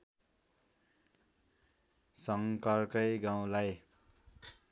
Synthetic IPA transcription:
sʌŋkʌrkʌjɡãw̃laj

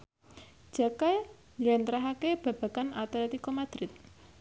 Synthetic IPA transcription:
d̥d͡ʒ̥a̤kaj | nilɛnt̪ɾaɦakeb̥a̤b̥a̤kanat̪aat̪ikɔmad̪̥ɾɪt̪̚

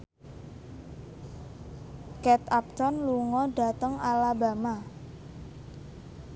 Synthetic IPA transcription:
kɛt̪ap̚t̪ɔnluŋɔɖa̤t̪əŋalaba̤ma

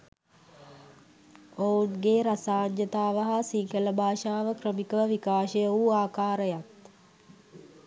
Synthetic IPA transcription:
ounɡeɾasaːɲd͡ʒət̪aːʋəɦasiŋkələbʱaːʃaːʋəkrəmikəʋəʋikaːʃəjəuaːkaːɾəjat̪

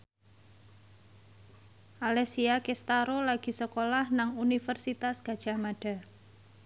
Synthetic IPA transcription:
ʔalɛsiakest̪aɾolaɡ̥i̤səkolahnaŋunifərsit̪asɡ̥a̤d̥ʒ̥a̤maɖ̥a̤

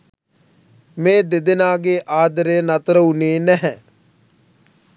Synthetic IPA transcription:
mẽːd̪ɪd̪ɪnaːɡeːʔaːd̪əɾeːnət̪ɾəuneːnɛɦɛ̃ː

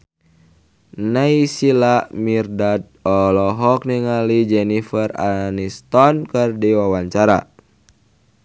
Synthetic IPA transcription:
naisilamirdad̪̚ɔlɔɦɔk̚niŋalid͡ʒɛnifəra̰nist̪ɔnkərdiwawaɲt͡ʃaɾa̰

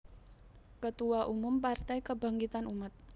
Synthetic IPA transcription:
kət̪uaʔumʊmpart̪ajkəba̤ŋkit̪anumat̪̚

